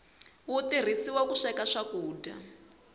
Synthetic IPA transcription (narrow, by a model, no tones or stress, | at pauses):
wut̪ir̤isiwakuʂɛkaʂakuːda̰